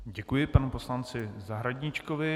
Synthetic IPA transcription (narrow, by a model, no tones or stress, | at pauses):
ɟɛkujɪpanupo̞slant͡sɪzaɦɾaɟɲɪt͡ʃkovɪ